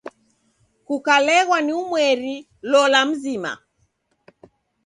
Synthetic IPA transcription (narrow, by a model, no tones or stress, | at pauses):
kukalɛɣwaniumwɛɾi | lɔlam̩zima̰